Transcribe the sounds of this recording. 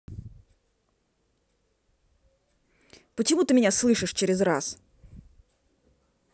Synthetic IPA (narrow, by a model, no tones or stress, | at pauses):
pət͡ɕɪmut̪ɨmʲɪnʲaslˠɨʂɨʂt͡ɕɪɾʲɪzra̰s